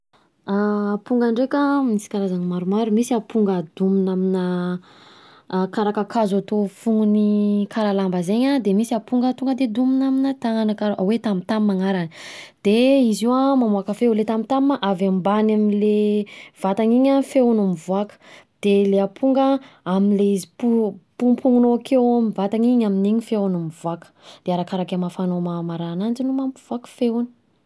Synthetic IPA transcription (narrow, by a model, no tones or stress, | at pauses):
aːpuŋɡaɳɖ͡ʐekəmnisi̥kaɾazanimaɾumaɾumisiapuŋɡad̪uminaminə | kaɾakakazat̪ofuŋunikʰaɾalambəzeɲad̪emisiapuŋɡat̪uŋɡəd̪ed̪uminaminət̪aŋanakaɾʔawet̪amit̪ammaŋaɾanəd̪̥eiziwamamuakəfewlet̪amit̪ammaʔavambanamilev̥at̪aŋiɲafeunamivuakə̥d̪̥eleapʰuŋɡə | aminleizipupupuŋunoakʰewmivat̪aɲiɲamineɲifeunamivuakə̥d̪̥eaɾakaɾakamafanomamaɾanand͡ʒinumampuv̥uakə̥feuni̥